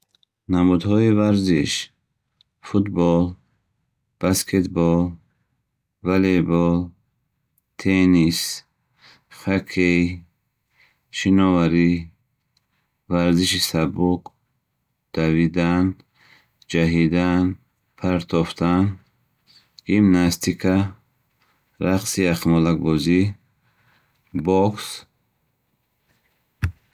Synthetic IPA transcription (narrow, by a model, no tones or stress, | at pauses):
namud̪hɔivaɾziʃ | fut̪bɔl | b̥askʰet̪bɔl | valebɔ | t̪ʰenis | χakʰe | ʃinɔvaɾi | vaɾziʃisabuk | d̪̥avid̪an | d͡ʒaɦid̪an | pʰaɾt̪ʰɔft̪ʰan | ɡimnast̪ʰikʰa | ɾaqsiaχmɔlak̚bɔzi | bɔks